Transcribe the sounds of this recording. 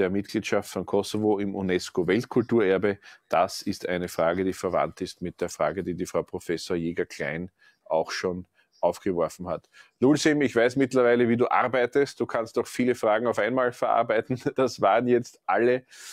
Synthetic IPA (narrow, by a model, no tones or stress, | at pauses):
d̥eːɐmɪt̚ɡ̥liːtʃaftfɔnkʰɔsovoɪmʔunɛskovɛltkʰʊltuːɐɛɐbəd̥asɪstæɪnəfʁaːɡədiːfɛɐvã̰ntɪstmɪt̚d̥eːɐfʁa̰ːɡədiːdiːfʁɑʊpʁ̥ofɛsoːɐjeːɡɐkʰl̥æ̰ɪn | ʔaʊxʃoːn | ʔɑʊfɡ̥əvɔɐfn̩hatlulsɪmɪçv̥aɪsmɪtlɐvæɪləviːduːʔa̰ʁbæɪtəst̚d̥uːkʰanstɔxfiːləfʁaːɡŋ̩ɑʊfæɪnmaːlfɛɐʔa̰ɐbæɪtn̩d̥asvaːʁənjɛt͡stʔalə